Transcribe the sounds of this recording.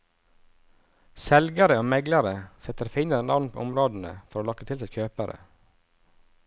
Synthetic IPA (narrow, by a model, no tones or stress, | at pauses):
sɛlɡəɾəoːmɛɡləɾəsɛt̪əɾfɪnəɾɛnɑ̰ʋnpʰo̰ːʊmɾoːd̪n̩ə̰fɔɾoːlɑkət̪ʰɪlsɛɪçʰøːpəɾə̰